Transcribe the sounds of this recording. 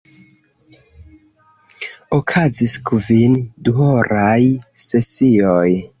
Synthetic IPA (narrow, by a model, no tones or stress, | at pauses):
okʰaziskʰvinduoɾajse̞sioj